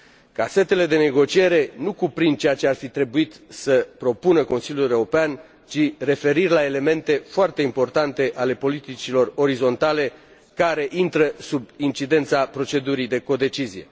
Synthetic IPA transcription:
kase̞t̪e̞le̞d̪e̞ne̞ɡo̞t͡ʃie̞ɾe̞nukupɾind̪̚t͡ʃejat͡ʃearfit̪ɾe̞buit̪səpɾo̞punəko̞nsiljulewɾopean | t͡ʃire̞fe̞ɾirʲlae̞le̞me̞nt̪e̞foart̪e̞impo̞rt̪ant̪e̞ʔale̞po̞lit̪it͡ʃilo̞ro̞ɾizo̞nt̪ale̞ | kaɾe̞ʔint̪ɾəsubint͡ʃid̪e̞nt̪sapɾo̞t͡ʃe̞d̪uɾid̪e̞ko̞d̪e̞t͡ʃizije̞̰

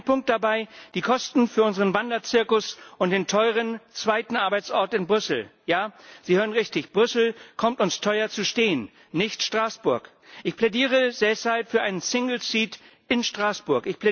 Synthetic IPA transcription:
pʰʊŋk̚t̚d̥abaɪd̥iːkʰɔstn̩fyːɐʔʊnzəʁənvandɐt͡sɪɐkʊsʔʊnt̚d̥eːntʰɔʏʁ̞ənt͡sv̥aɪtn̩ʔaɐbaɪt͡sʔɔɐtɪnbʁʏsl̩jaːz̥iːhøːʁənʁɪçtɪçb̥ʁʏsl̩kʰɔmtʊnstʰɔʏɐt͡suʃteːənː | ɪçtʃtʁ̥aːsb̥ʊɐk | ʔɪçpʰl̥ɛdiːʁ̞əzɛshalpfyːɐʔaɪnənsɪŋl̩siːt | ɪnʃtʁ̥aːsb̥ʊɐkɪçpʰlɛ

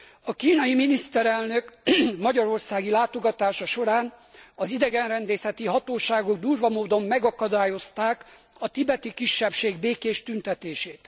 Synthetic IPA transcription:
ɒkiːnɒjiminist̪ɛɾɛlnø̞kmɒɟɒɾo̞rsaːɡilaːt̪o̞ɡɒt̪aːʃɒʃo̞ɾaːnɒzid̪ɛɡɛnrɛnd̪eːsɛt̪iɦɒt̪oːʃaːɡo̞ɡ̚d̪uːrvɒmoːd̪o̞mːɛɡɒkɒd̪aːjo̞st̪aːk | ɒt̪ibɛt̪ikiʃːɛpʃeːɡbeːkeːʃt̪ynt̪ɛt̪eːʃeːt̪

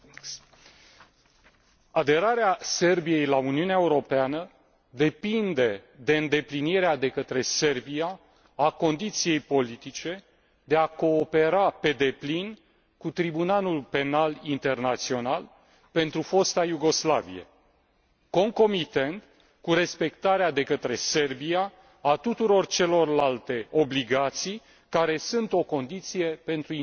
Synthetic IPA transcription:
ad̪e̞ɾaɾease̞rbije̞jlauniuneaeuɾo̞peanə | d̪e̞pind̪e̞d̪e̞ɨnd̪e̞pliniɾead̪e̞kət̪ɾe̞se̞rbiaː | ko̞nd̪it̪sije̞jpo̞lit̪it͡ʃe̞ | d̪e̞ako̞ːpe̞ɾape̞d̪e̞plin | kut̪ɾibunalulpe̞nalint̪e̞rnat̪sio̞nal | pe̞nt̪ɾufo̞st̪ajuɡo̞sla̰vḭjḛ | ko̞ŋko̞mit̪e̞nt̪ | kuɾe̞spe̞kt̪aɾead̪e̞kət̪ɾe̞se̞rbiaː | t̪ut̪uɾo̞rt͡ʃe̞lo̞rlalt̪e̞o̞bliɡat̪sij | kaɾe̞sunt̪o̞ko̞nd̪it̪sije̞pe̞nt̪ɾu

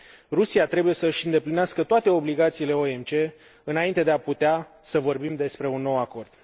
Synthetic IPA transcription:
rusiat̪ɾe̞buje̞səɨʃʲɨnd̪e̞plineaskət̪oat̪e̞o̞bliɡat̪siːle̞oe̞mt͡ʃe̞ | ɨnaint̪e̞d̪eaput̪easəvo̞rbimd̪e̞spɾe̞unːo̞wako̞rd̪̥

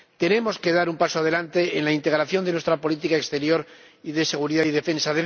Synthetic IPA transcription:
t̪e̞ne̞mo̞ske̞ðaɾumpasoað̞e̞lant̪eenlaint̪e̞ɣɾaθjo̞nd̪e̞nwe̞st̪ɾapo̞lit̪ikaekst̪e̞ɾjo̞ɾ | iðe̞se̞ɣ̞uɾiðaðiðe̞fe̞nsaðe

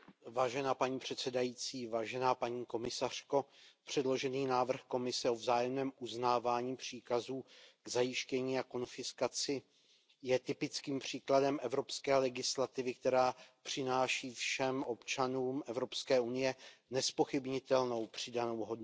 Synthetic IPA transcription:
vaːʒɛnaːpaɲiːpr̝̥ɛt̪sɛdajiːt͡siːvaːʒɛnaːpaɲiːko̞mɪsar̝̥ko̞pr̝̥ɛdlo̞ʒɛniːnaːvr̩xko̞mɪsɛo̞vzaːjɛmnɛːmuznaːvaːɲiːpr̝̥iːkazuːɡzajɪʃcɛɲiːako̞nfɪskat͡sɪ | jɛt̪ɪpɪt͡skiːmpr̝̥iːkladɛmʔɛvɾo̞pskɛːlɛɡɪslat̪ɪvɪk̚t̪ɛɾaːpr̝̥ɪnaːʃiːfʃɛmʔo̞pt͡ʃanuːmʔɛvɾo̞pskɛːunɪjɛnɛspo̞xɪbɲɪt̪ɛlno̞wpr̥ɪdano̞wɦo̞dn

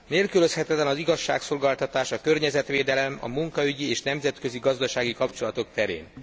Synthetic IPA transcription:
neːlkylø̞shɛt̪ɛt̪lɛnɒziɡɒʃːa̰ːkso̞lɡaːlt̪ɒt̪aːʃɒkørɲɛzɛt̪ʋeːd̪ɛlɛmɒ̰muŋkɒyɟieːʃnɛmzɛt̪kø̞ziɡɒzd̪ɒʃaːɡikɒpt͡ʃo̞lɒt̪o̞k̚t̪ɛɾḛːn

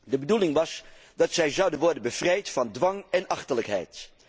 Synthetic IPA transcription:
dəbədulɪŋʋɑsdɑtsɛjzɑwdənʋɔɹdənbəv̥rɛjtfɑndʋɑŋɛnɑχtələkɦɛ̰jt

